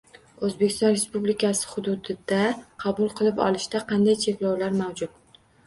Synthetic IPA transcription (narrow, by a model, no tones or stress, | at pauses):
ɵzbekʲʰɪst̪ɒnɾe̞spublɪkʰasɪ̥χʊd̪ʊd̪ɪd̪aqʰɑbʊlˠqʰɨlˠɪpɒ̰lˠɪʃt̪aqʰɑnd̪ajt͡ʃʰe̞kʲlawlaɾmawd͡ʒʊt̪̚